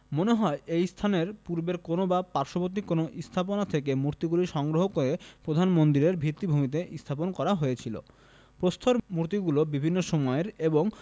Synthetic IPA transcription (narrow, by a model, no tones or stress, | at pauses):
moneɦɔeejst̪ʰaneɾpuɾbeɾkonobapaɾʃobot̪ikːonoʔist̪ʰaponat̪ʰekemuɾt̪iɡuliʃɔŋɡɾoɦokoɾepɾod̪ʱanmond̪iɾeɾbʱit̪ːibʱumit̪̬eʔist̪ʰaponkɔɾaɦoet͡ɕʰilo̰ | pɾost̪ʰoɾmuɾt̪iɡulobibʱinːoʃomɔeɾeboŋ